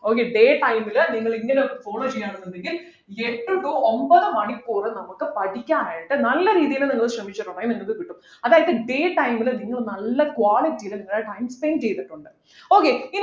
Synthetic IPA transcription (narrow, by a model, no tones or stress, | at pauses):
o̞ːkeɖe̞ːʈɐjmilniŋːɐɭiŋɡɐnefo̞ːɭoːt͡ɕejːaːɳunːunɖeŋɡil | eʈːɨʈuombɐðɨmɐɳikːuːrɨnɐmːɐkːɨpɐʈʰikʲːaːnaːjiʈːɨnɐlːɐɾiːðijɐnɨniŋːɐɭɕrɐmit͡ɕːɐʈːuɳːaːjumniŋːɐkːɨkiʈːum | ɐðaːjɐðɨɖe̞ːʈɐjmilniŋːɐɭnɐlːɐkwaːlitːijilɨniŋːɐɭaːʈɐjmspenɖt͡ɕejt̪ːiʈːuɳɖɨ | o̞ːkein